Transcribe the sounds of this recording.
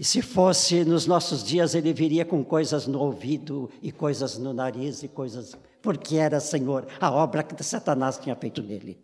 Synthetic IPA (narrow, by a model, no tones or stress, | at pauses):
ɪsɪfosɪnʊznɔsʊzd͡ʒiɐzelɪviɾiɐkõkojzɐznʊowvid̪ʊɪkojzɐznʊnaɾizɪkojzɐs | poɾkɪɛɾɐsẽɲoɾɐɔbɾɐkɪd̪ɪsat̪ɐnast͡ʃĩɲɐfejt̪ʊnelɪ̰